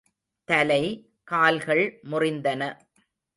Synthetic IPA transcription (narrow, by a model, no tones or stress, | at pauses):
t̪ɐlɐɪ | kaːlɣɐɭmʊrɪnd̪ɐnɐ